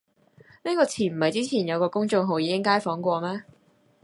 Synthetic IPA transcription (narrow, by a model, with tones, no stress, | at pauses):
ne˥kɔː˧t͡sʰiː˨˩nm̩˨˩ɐ˨jt͡siː˥t͡sʰiː˨˩njɐ˨˧wkɔː˧kʊ˥ŋt͡sʊ˧ŋɦo˨˧wjiː˨˧kɪ˥ŋkaː˥jfɔː˨˥ŋkʷɔː˧mɛː˥